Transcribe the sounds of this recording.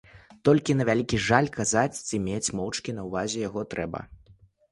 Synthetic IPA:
t̪ɔlʲkʲin̪ɐvʲalʲikʲiʐalʲkazat͡sʲt͡sɨmʲet͡sʲmɔwt͡ʂkʲinɐwvazʲɛjaɣɔt̪ɾɛbɐ̰

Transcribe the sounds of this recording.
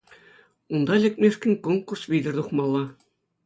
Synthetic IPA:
und̪ɑlʲɘ̆k̚ʲmʲeʂkʲɘ̆nʲkonkursʋʲidʲɘ̆rt̪uχmɑlˠːɑ

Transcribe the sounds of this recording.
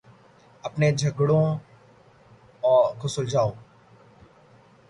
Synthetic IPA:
ɐpned͡ʒʱɐɡɽõ | ɔːkʊsold͡ʒaːoː

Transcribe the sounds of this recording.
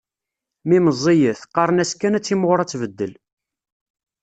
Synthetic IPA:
miməzˤːijəθqɑɾˤənæskænæt͡sːimʁʊɾˤæt͡sːvəd̪ːəl

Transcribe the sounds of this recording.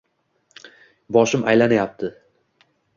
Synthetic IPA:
bɒʃɪmʔajlanajap̚t̪ʰɪ

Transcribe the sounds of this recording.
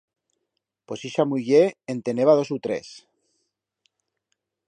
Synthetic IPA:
posiʃamuʝeent̪eneβaðo̞sut̪ɾḛs

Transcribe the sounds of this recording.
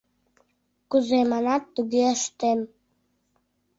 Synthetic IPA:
kʼuzejmanatːuɡiaʂtʼem

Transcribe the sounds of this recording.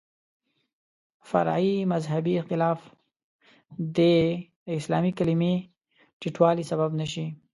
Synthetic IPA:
fa̰ɾimazɦabiɪxt̪ɪlɑf | d̪ə | ɪslɑmikalime | ʈiʈwɑlisababnaʃ̬i

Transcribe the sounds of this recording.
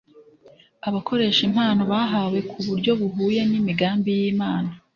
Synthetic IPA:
aβakʰo̞ɾe̞ːʃim̥haːnoβaɦawe̞kʰuβuɾɟo̞βuɦuːje̞nimiɡaːmbijiːmaːna

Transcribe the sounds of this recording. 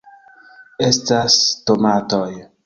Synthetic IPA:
estastomatoj

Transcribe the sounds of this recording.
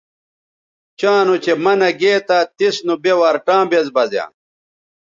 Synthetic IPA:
t͡ɕãːnut͡ɕemɐnɐɡeːt̪at̪isnubewaːɾʈãːbezbɐzja̰ː

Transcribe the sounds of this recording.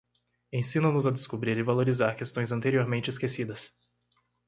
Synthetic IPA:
ẽj̃sĩnɐ̃nʊzad̪eskubɾiɾɪvaloɾizaɾkest̪õj̃zɐ̃nt̪eɾioɾmẽnt͡ʃɪiskesid̪ɐs

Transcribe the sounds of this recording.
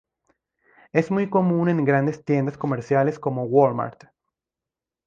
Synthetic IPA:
e̞zmujko̞mũne̞ŋɡɾand̪e̞st̪je̞nd̪asko̞meɾsjale̞sko̞mo̞woɾma̰ɾt̪

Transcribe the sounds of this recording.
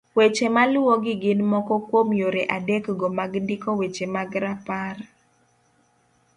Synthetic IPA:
wet͡ʃemalʊwoɡɪɡɪnmɔkɔkwomjoɾeʔadekɡɔmaɡndɪkɔwet͡ʃemaɡɾapar

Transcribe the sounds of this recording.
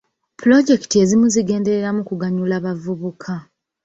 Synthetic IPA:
pulo̞ɟe̞kitie̞zimuziɡe̞ːnde̞ɾeɾamukuɡaɲulaːβavuβukʰa

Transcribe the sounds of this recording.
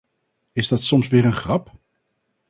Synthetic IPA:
ɪzdɑtsɔmsʋɪːɹənχrɑp

